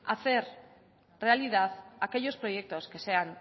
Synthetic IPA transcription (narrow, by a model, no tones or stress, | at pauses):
aθe̞ɾ | re̞alið̞aðake̞jo̞spɾo̞je̞k̚t̪oske̞se̞an